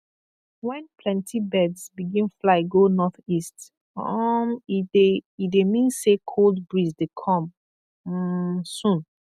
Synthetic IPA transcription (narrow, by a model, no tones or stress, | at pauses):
wɛ̃npʰlɛ̃ntʰibɛdsbiɡĩnflaɪɡonɔθist | mideidemĩnsekʰoldbɹisdekʰɔ̃m̩ | sũn